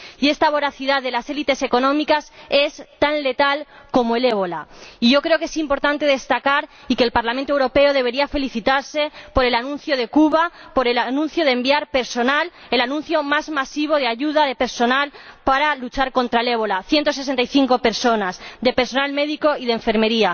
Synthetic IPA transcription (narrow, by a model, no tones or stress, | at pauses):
ie̞st̪aβ̞o̞ɾaθiðaððe̞lase̞lit̪e̞se̞ko̞nõ̞mikase̞st̪anle̞t̪al | ko̞moe̞le̞βo̞laiʝo̞kɾe̞oke̞simpo̞ɾt̪ant̪e̞ð̞e̞st̪akaɾ | ikeːlpaɾlament̪owɾo̞pe̞oð̞e̞β̞e̞ɾiafe̞liθit̪aɾse̞po̞ɾe̞lanũnθjoð̞e̞kuβapo̞ɾelanũn̟θjo̞ð̞embiaɾpe̞ɾso̞nal | e̞lanũnθjo̞mazmasiβ̞o̞ð̞eaʝuð̞aðe̞pe̞ɾso̞nalpaɾalut͡ʃaɾko̞nt̪ɾaele̞βo̞laθje̞nt̪os̬ese̞nt̪ajθiŋko̞pe̞ɾso̞nazd̪e̞peɾso̞nalme̞ðiko̞iðeɱfe̞ɾme̞ɾia